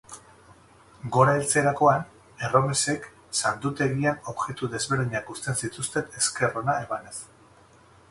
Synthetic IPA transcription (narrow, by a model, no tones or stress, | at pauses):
ɡo̞ɾaelt͡se̞ɾako̞an | e̞ro̞mese̞k | sant̪ut̪e̞ɣiano̞βʝe̞t̪uðe̞zβe̞ɾðiɲakust̪e̞nsit̪ust̪e̞ne̞ske̞ro̞nae̞mane̞s